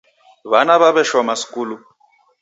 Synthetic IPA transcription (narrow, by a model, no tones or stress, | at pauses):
βanaβaβɛʃɔmasi̥kʼuːlu